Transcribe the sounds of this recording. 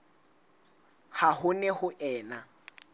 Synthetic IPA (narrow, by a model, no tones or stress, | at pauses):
hahʊnɛhʊʔɛːna